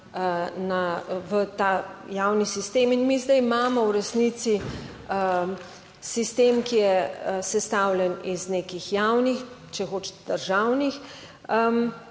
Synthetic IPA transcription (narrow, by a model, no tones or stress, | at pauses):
ənaʋət̪ajawnisist̪eːminmizd̪ɛjmaːmɔwɾɛsnit̪si | ə | sist̪eːmkijɛəsɛst̪awljɛnizneːkixjawnixt͡ʃɛxoːt͡ʃ̪d̪̥əɾʒawnix | ə